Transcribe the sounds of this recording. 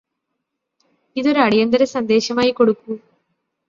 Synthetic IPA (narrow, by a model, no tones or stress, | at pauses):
iðoɾɐɽijɐnd̪ɐɾɐsɐnd̪eːɕɐmaːjikoɽukːu